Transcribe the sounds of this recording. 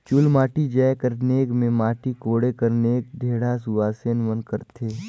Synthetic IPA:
t͡ʃʊlmaːʈid͡ʒɛekəɾneːkmẽmaːʈikoːɽekəɾneːɡ̚ɖʱeːɽasʊʋaːsenʋənkəɾt̪ʰeː

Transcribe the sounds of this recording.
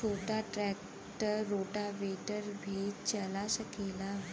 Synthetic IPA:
oʈaʈɾɛk | ʈəɾːoʈaʋeʈəɾbʱet͡ɕəlaɕəkela

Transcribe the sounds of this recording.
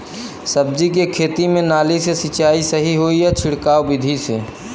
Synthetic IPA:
səb̚d͡ʒik̬ekʰeːt̪imẽnaːlisesɪt͡ʃaːisəɦiɦoijat͡ʃʰɪɽkaːwbɪd̪ʱise

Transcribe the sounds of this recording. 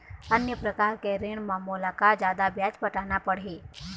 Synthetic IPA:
ənjəpɾəkaːɾkeɾeɳmamolakad͡ʒjaːd̪abjad͡ʒpəʈanapəɽ̤ɦe

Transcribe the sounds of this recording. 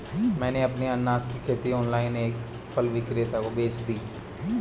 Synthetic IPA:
mɛ̃ːneəpneənːaːskikʰeːt̪iɔːnlaːɪneːk | pəlʋɪkɾeːt̪akobeːt͡ʃd̪iː

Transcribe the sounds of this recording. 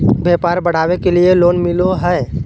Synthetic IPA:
beːpaːɾbəɽ̤aːwekelieloːnmɪloɦɛ

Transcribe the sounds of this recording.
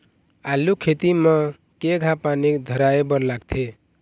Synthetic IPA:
alːukʰet̪imə | keɡʱãpanikd̪ʱəɾaebəɾlaɡt̪ʰe

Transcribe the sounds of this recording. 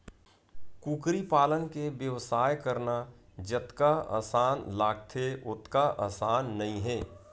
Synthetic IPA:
kuːkɾipaːlənkebjəʋsaːjkəɾna | d͡ʒət̪kaa̰ːsaːnlaːɡ̚t̪ʰeʊt̪kaʔa̰ːsaːnːɐɦĩɦɛː

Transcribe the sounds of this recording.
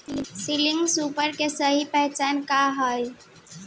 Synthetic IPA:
siliŋɡsupəɾkesəɦipəɦt͡ʃankaɦəj

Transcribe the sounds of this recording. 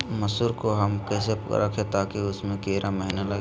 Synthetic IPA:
mɐsuːɾkoɦɐmkɛːseɾɐ̰kʰẽt̪aːkiʊsmẽkeːɾʔaməɦinalɐ

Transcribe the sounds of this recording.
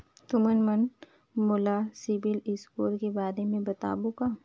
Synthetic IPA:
t̪ʊmənmən | mʊlasɪbɪlɪskuːlkebaːɾemẽbɐt̪a̰ːbukaː

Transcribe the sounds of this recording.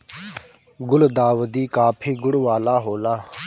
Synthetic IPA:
ɡʊld̪aːʋəd̪iːkaːpʰiːɡʊɽʋaːlaːɦoːlaː

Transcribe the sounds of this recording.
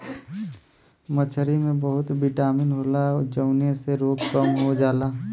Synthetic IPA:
mət͡ʃʰəɾimẽbəɦʊt̪bɪʈaːmɪnɦoːlaɔd͡ʒəʊneseɾoːkkəmɦod͡ʒaːlaː

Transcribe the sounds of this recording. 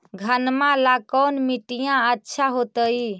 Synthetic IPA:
ɡʱənmãlakənmiʈijãətːʃʰaɦot̪əj

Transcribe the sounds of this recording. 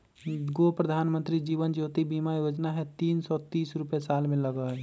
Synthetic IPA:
ɡopɾəd̪ʱaːnmə̃nt̪ɾid͡ʒiːʋənd͡ʒoːt̪ibimajod͡ʒnaɦɛt̪iːnsɔt̪iːsɾupjesaːlmẽləɡəɦɛ

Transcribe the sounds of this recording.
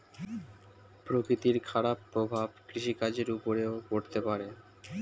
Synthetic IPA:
pɾokɾit̪iɾkʰaɽapːɾobʱabkɾiʃikad͡ʑeɾupoɾeokoɽt̪epaɾe

